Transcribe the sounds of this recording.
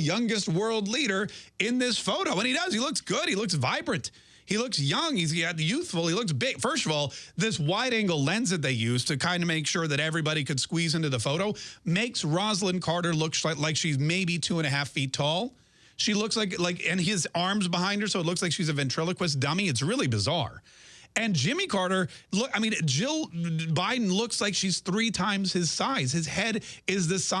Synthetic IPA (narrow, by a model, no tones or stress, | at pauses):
jʌ̃ŋɡɨst̚wɜ˞lˠdˡliɾə˞ɪ̃nðɪsfoʊɾoʊə̃ñidʌz̥ilʊksɡ̥ʊd̚ilʊksvaɪbɹɨ̃nt | hilʊksjʌ̃ŋiztjʉθfl̩ˠilʊks̬bɪɡ̥fɜ˞stʌvɔlˠðɪswaɪɾæ̃ŋɡl̩ˠlɛ̃nzɨt̪̚ðeɪjʉz̥tʰɨkʰãɪ̃ndɨmeɪkʃʊɹðɨɾɛvɹibɑɾikʰɨd̥skwizɪ̃ntʉðəfoʊɾoʊmeɪksɹɑzlə̃nkʰɑɹɾə˞lʊksaɪlaɪkʃizmeɪbitʰuə̃ɾ̃ɨɦæfitʰɔlˠ | ʃilʊkslaɪklaɪkɨ̃nɪzɑɹmzbəɦãɪ̃nd̚ə˞soʊətˡlʊkslaɪkʃizɨvɨ̃ntʰɹ̥ɪlˠəkʰwɨs̬d̥ʌ̃miɨtsɹɪlˠibɨzɑ̰ɹ | ɨ̃nd͡ʒɪ̃mikʰɑɹɾə˞lʊkaɪmĩnd͡ʒɪlˠbaɪdⁿn̩lʊkslaɪkʃiz̥θɹitʰãɪ̃mz̥ɨz̥saɪz̥ɨz̥hɛɾɪzðɨsa